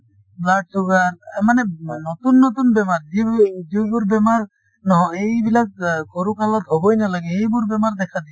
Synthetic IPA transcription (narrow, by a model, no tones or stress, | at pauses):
blaʈsuɡaɾmanenɔt̪unːot̪unbɛmaɾd͡ʒid͡ʒebuɾbɛmaɾ | nɔɦɔ̃ejbilak̚koɾukalat̪ɦɔbojnalaɡeejbuɾbɛmaɾd̪ɛkʰad̪i